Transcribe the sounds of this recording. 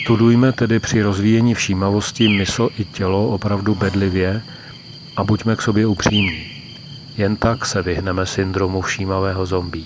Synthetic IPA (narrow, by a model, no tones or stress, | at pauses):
st̪udujmɛt̪ɛdɪpr̝̥ɪɾo̞zviːjɛɲiːfʃiːmavo̞scɪmɪsoʔɪcɛlo̞ʔopɾavdubɛdlɪvjɛ | ʔabucmɛkso̞bjɛupr̝̥iːmɲiː | jɛnt̪aksɛvɪɦnɛmɛsɪnd̪ɾo̞mufʃiːmavɛːɦo̞zo̞mbiː